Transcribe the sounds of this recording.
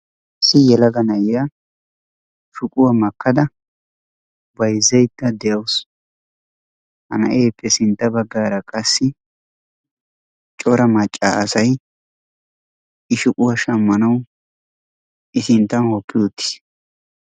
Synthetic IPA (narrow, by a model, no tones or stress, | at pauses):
sɪjɛlɐɡɐnɐjɪja | ʃʊkʼʊwɐmɐkːɐd̪ɐ | bɐjzːɛjt̪ːɐd̪ɛjɐws | hɐ̰nɐ̰ʔeːpʰʼːɛsɪnt̪ːɐbɐɡːaːɾɐkʼɐsːɪ | t͡ʃʼɔɾɐmɐt͡ʃʼːa̰ɐsɐj | ɪʃʊkʼʊwaʃɐmːɐnɐw | ɪsɪnt̪ːɐnhɔpʰʼːɪjʊt̪ːɪ̥s